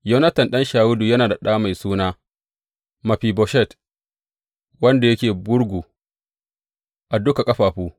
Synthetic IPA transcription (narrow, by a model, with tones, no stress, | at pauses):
jɐ˦nɐ˦tɐ˨nɗɐ˦nʃaː˨wʊ˦duː˨jɐ˦naː˨da˨ɗaː˦ma˨jsuː˦naː˦ | mɐ˨ɸiː˨bɔ˨ʃɛ˦˨t | wɐ˦nda˨jɐ˦kʲeː˨bʊ˦ɽɡʷuː˨ | ʔa˨dʊ˦ka˨kʼɐ˦ɸaː˨ɸuː˦